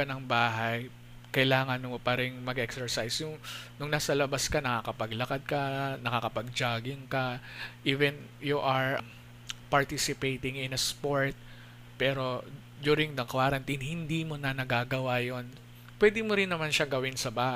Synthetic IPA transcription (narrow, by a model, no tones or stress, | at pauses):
ɐnɐŋbaːɦɐj | kɐɪlaːŋɐnʊpɐɾɪŋmɐɡʔɛksɛɹsajsjʊŋnʊŋnasɐlɐbaskɐnɐkakɐpɐɡlɐkad̪̚kɐnɐkaːkɐpɐɡ̚d͡ʒaːɡɪŋkɐʔiːvɛn | juʔɐɹ | pɐɹt̪isɪpejt̪ɪŋɪ̃nɐspoɹt̪̚ | pɛːɾo̞ | d̪uːɾɪŋd̪ɐkwaɾɐnt̪inhɪnd̪iːmonɐnɐɡaːɡɐwajon | pwɛd̪ɪmoɾɪnːɐmanʃaŋɡɐwɪnsɐbaːh